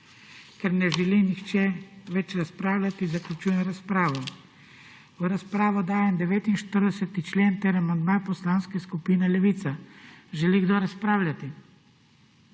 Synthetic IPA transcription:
kɛɾnɛʒɛlinixt͡ʃɛʋɛt͡ʃɾaspɾaːwlʲat̪izaklʲut͡ʃuːjɛmɾaspɾaːʋɔ | əɾaspɾaːʋɔd̪aːjɛmd̪ɛʋeːt̪inʃt̪əɾd̪ɛsɛt̪it͡ʃleːnt̪eɾamand̪mapɔslaːnskɛskupiːnɛlɛʋiːt̪saʒɛliɡd̪oːɾaspɾaːwlʲat̪i

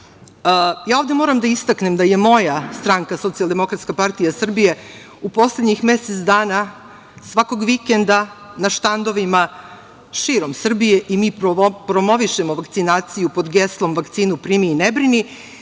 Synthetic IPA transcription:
əjaːovd̪e̞moɾamd̪aist̪akne̞md̪aje̞mo̞jast̪ɾaŋkaso̞t̪sijalˠd̪emo̞kɾat̪skapaɾt̪ijasr̩bije̞ | upo̞sle̞d̪ɲixme̞set̪sd̪aːna | sʋako̞ɡʋikend̪anaʃt̪and̪o̞ʋima | ʃiɾo̞msr̩bijeʔimiːppɾo̞mo̞ʋiʃemo̞ʋakt̪sinaːt̪sijupo̞d̪ɡeslˠo̞mʋakt̪siːnupɾiːmiːnebɾini

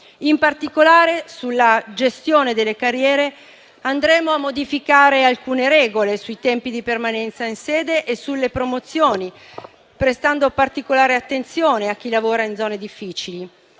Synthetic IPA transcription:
impart̪ikolaːɾesulːad͡ʒest̪joːned̪elːekarːjɛːɾe | and̪ɾɛːmoamːod̪ifikaːɾealkuːneɾɛːɡolesuit̪ɛmpid̪ipermanɛnt̪sainsɛːd̪eʔesulːepɾomot̪sːjoːni | pɾest̪and̪opart̪ikolaːɾeat̪ːent̪sjoːneak̟ːilavoːɾaind̪zɔːned̪ifːiːt͡ʃili

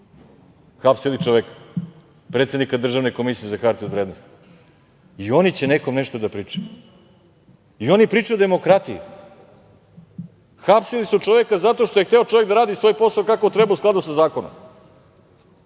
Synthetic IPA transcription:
xapsilit͡ʃoʋekḁ | pɾet̪sed̪nikad̪r̩ʒaʋne̞ko̞misijezaxaɾt̪iod̪vɾeːd̪nost̪i̥ | io̞nit͡ɕeneko̞mneʃt̪od̪apɾiːt͡ʂaju | io̞nipɾiːt͡ʃajud̪emo̞kɾat̪ijḭ | xapsilisut͡ʃoʋekazat̪o̞ʃt̪o̞je̞xt̪eot͡ʃo̞ʋeɡd̪aɾaːd̪isʋo̞jpo̞saokakot̪ɾebausklad̪usazaːko̞no̰m

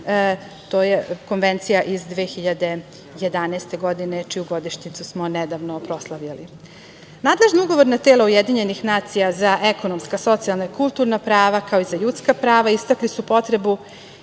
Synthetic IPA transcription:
t̪oːjeko̞nʋent̪sijaʔizd̪ʋeːxiʎad̪e̞ | jed̪anɛːst̪e̞ɡo̞d̪inet͡ʃijuɡo̞d̪iʃɲit̪susmo̞ned̪aʋnopɾo̞slˠaʋʎali | naːd̪leʒniuɡo̞ʋo̞ɾnat̪elˠaujed̪iɲe̞nixnaːt̪sijazaʔeko̞nomskaso̞t̪sialˠnaikulˠt̪uɾnapɾaːʋakaoizaʎuːt̪skapɾaːʋaist̪aklisupo̞t̪ɾe̞bu

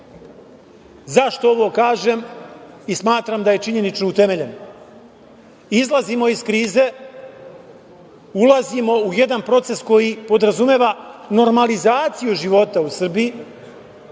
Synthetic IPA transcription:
zaʃt̪o̞oʋo̞kaːʒem | ismaːt̪ɾamd̪aje̞t͡ʃiɲe̞nit͡ʃnout̪e̞me̞ʎe̞n | izlˠazimo̞iskɾiːze̞ | ulˠazimo̞uje̞d̪anpɾo̞t̪se̞sko̞jipo̞d̪ɾazumeːʋano̞ɾmalizaːt̪sijuʒiʋo̞t̪ausr̩biji

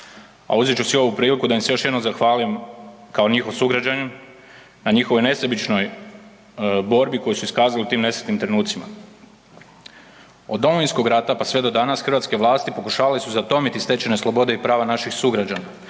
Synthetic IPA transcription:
a̰uzet͡ʃusio̞ʋupɾiːlikud̪ajimse̞jo̞ʃjed̪nomzaxʋaːlimkao̞ɲixosuɡɾad͡ʑaɲu | naɲixoʋo̞jne̞sebit͡ʃno̞j | bo̞ɾbiko̞jusuiskaːzaliut̪iːmne̞sɾet̪nimt̪ɾe̞nuːt̪sima̰ | o̞d̪dːo̞moʋinsko̞ɡɾat̪apasʋe̞d̪o̞d̪anasxr̩ʋat̪ske̞ʋlˠaːst̪ipo̞kuʃaːʋalesuzat̪o̞mit̪ist̪e̞t͡ɕeneslˠo̞bo̞d̪e̞ipɾaːʋanaʃixsuɡɾad͡ʑana

